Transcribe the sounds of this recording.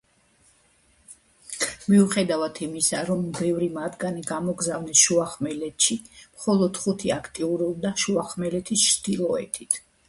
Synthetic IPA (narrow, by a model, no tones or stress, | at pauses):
miuχɛd̪avat̪ʰimisaɾɔmbɛvɾimad̪ɡaniɡamɔɡzavnɛsʃuaχmɛlɛt̪ʰʃimχɔlˠɔd̪χut̪ʰiakʰt̪ʼiuɾub̚d̪aʃuaχmɛlɛt̪ʰist͡ʃʰd̪ilˠɔɛ̰t̪ʰit̪ʰ